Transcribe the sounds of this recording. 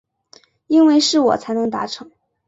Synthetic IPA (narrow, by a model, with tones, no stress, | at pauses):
i˥nwe˥˧ɪʂɻ̩˥˩wɔ̰˨˩t͡sʰa˧˥ɪnɤ˧˥ŋt̪a̰˧˥ʈ͡ʂʰɤ˧˥˦ŋ